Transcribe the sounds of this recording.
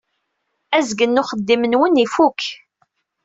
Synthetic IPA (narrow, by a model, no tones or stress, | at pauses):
æzɡənːʊχəd̪ːimənwənifuk